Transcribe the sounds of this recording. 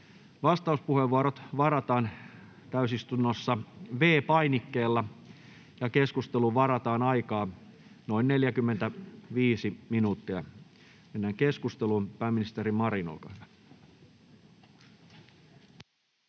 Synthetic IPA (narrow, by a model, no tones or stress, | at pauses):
ʋɑst̪ɑuspuheʋːuɑɾot̪ʋɑrɑt̪ɑːn | t̪æysist̪unːosːɑʋe̞ːpɑjnikːeːlːɑ | jɑke̞skust̪eluʋɑɾɑt̪ɑːnɑjkɑː | no̞inne̞ljækymːent̪æʋiːsiminuːt̪ːiɑ | menːæŋke̞skust̪eluːnpæːmːinist̪eɾimmɑɾino̰lkɑhyʋæ